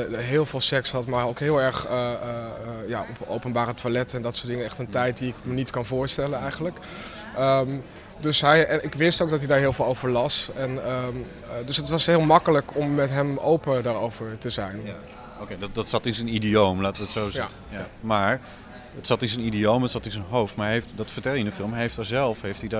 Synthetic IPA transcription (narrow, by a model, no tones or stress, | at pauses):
ɦɪːlˠvɪːlˠsɛksɦɑtmɛjowkɦɪːlˠɛɹχə | ja̰ːɔpo̰wpənbaːɾətʋalɛtɛndɑtsʊːdɪŋənɛχtəntɛjt̚diɪkmənitkɑnvʊːɹstɛlənɛjχənlək | əm | dɵsɦɛjɛnɪkʋɪstowɡ̚dɑtɦidaːɹɦɪːlˠveːlˠowvəɹlɑsɛnə | dɵsɦətʋɑsɦɪːlˠmɑkələkɔmːɛtɦɛmo̰wpədaːɹowvəɹtəzɛjn | okeddɑtsɑtɪnsənidiowmlaːtəʋəətsowz | maːɹ | ətsɑtɪnsənidiowmətsɑtɪnsənɦowftmaːɹɦejftdɑtfəɹtɛlˠjəndəfɪlˠmɦejftazɛlˠfɦejftida